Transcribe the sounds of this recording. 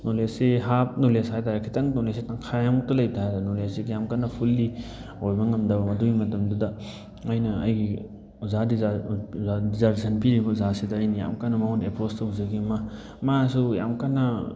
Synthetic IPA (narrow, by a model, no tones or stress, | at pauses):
noleseɦap̚noleshajtaɾekʰitaŋtolesetaŋkʰajamutɐlɐjbtʰaajdɐnoleseɡijamkanːɐpʰulːihojbɐŋɐmdɐbɐmɐduimɐtɐmdudɐ | ɐjnɐɐ̰jɡi | uzadi | adizaɾsʰɐnpiɾibɐzasidɐɐjnija̰mkanɐmɐhonepʰostowzɐɡimɐ | masuja̰mkanːɐ